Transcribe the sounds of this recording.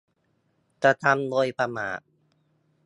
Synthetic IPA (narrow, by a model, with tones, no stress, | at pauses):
ka˧˩t̪ʰa˧mloː˧jpʰa˧maː˩˦